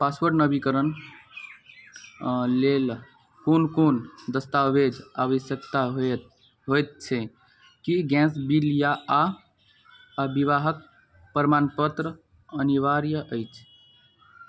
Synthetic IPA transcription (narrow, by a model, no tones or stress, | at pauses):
paswəɾɖnəbikəɾən | lel | kunkond̪əst̪aʋed͡ʒaʋəsjəkt̪aɦo | ɦojt̪̚t͡ʃʰe | kiɡɛ̃sbilijaa | biʋaɦək̚ | pəɾmanpət̪ɾə | əniʋaɾjəʔəjt͡ʃʰ